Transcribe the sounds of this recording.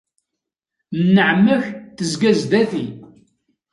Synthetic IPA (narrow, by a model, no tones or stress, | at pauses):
nnːəʕmːəçθəzɡæzd̪æθi